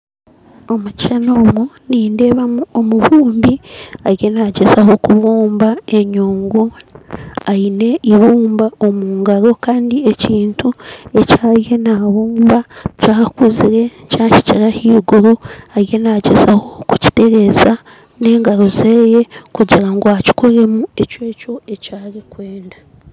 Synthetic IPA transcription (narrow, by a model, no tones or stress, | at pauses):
o̞muciʃano̞ːmuniːnde̞βauomuβuːmbiaɾje̞naːɟezaho̞kuβuːmbae̞ɲuːŋɡu | aine̞iβuːmbao̞muːŋɡaɾo̞kaːndie̞ciːntue̞caːɾje̞naβuːmbacaːkuziɾe̞caːci̥ciɾahiːɡuɾuaɾje̞naːɟezaho̞kuci̥te̞ɾe̞za | ne̞ːŋɡaɾozeːje̞kuɟiɾaŋɡoaci̥koɾe̞mue̞cwe̞ːco̞e̞caːɾikwe̞ːnda